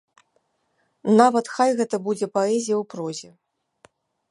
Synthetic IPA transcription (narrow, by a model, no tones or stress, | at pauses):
navɐt̪xajɣɛt̪ɐbud͡zʲɛpaɛzʲijɐwpɾɔzʲɛ